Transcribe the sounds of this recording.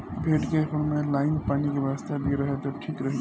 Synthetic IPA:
bʱeʈkekʰʊnmẽlaːɪnpaːnikeʋast̪abʱiɾəɦet̪ɔʈʰikɾəɦĩ

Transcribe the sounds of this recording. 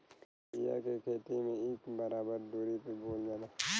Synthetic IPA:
ija̰kekʰeːt̪imẽeːkbɐɾaːbəɾd̪oːɾipeboːld͡ʒana

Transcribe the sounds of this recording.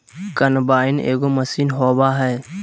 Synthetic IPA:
kənbaːɪnḛːɡoməsiːnɦoːbaɦɛː

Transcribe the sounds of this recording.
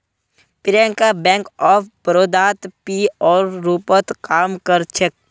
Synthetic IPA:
pɪɾɛ̃ŋkabɛ̃ːŋkɔːpʰbəɾoːd̪aːt̪piːɔːɾːuːpət̪kaːmkəɾt͡ʃʰək̚

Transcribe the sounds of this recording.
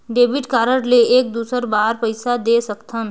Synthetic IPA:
ɖeːbɪʈkaːɾəɽleeːk̚d̪uːsəɾbaːɾpəɪsad̪eːsəkt̪ʰən

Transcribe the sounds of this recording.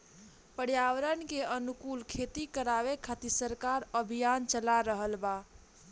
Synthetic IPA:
pəɽjaʋəɾənkeənukulkʰet̪ikəɾaʋekʰat̪isəɾkaɾəbʱijant͡ʃəlaɾəɦəlba

